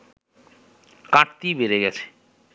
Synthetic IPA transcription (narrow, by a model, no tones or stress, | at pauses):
kãʈt̪ibeɾeɡɛt͡ɕʰe̥